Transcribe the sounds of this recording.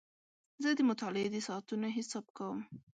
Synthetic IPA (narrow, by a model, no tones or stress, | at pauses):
zəd̪əmʊt̪ɑlɪed̪əsɑːt̪unaɦɪsɑb̚kawəm